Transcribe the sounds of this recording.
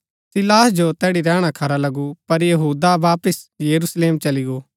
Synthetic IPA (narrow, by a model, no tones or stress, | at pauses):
sɪlaːɦd͡ʒot̪ɛːɽiɾɛːɽ̃akʰɐɾalɐɡupɐɾjɐɦuːd̪abaːpəsjɐɾusleːmt͡ʃɐliɡoː